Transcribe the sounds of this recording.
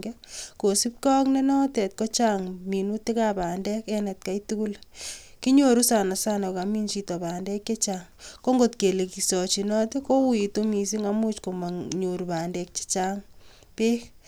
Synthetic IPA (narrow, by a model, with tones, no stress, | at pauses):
ɡeko˨si˦p̚kɔ˦kne˦nɔ˦tɛ˨t̚ko˦t͡ʃaŋmi˨nu˦te˦kapa˨ndɛ˦kɛnɛ˨t̚ka˦itu˦ku˦l | ki˦ɲo˦ɾu˦sa˨na˨sa˦nɔ˨ka˨mi˦nt͡ʃi˦tɔ˨ba˨ndɛ˦kje˦t͡ʃaŋko˦ŋɡo˨tke˨le˨ki˨sɔ˨t͡ʃi˨nɔ˦ti˦ko˦wi˨to˦mi˨s̬i˦ŋamu˦t͡ʃko˨ma˨ŋɲo˨ɾi˨pa˨ndɛ˨k̚t͡ʃi̥˦t͡ʃa˦ŋ | pe˦k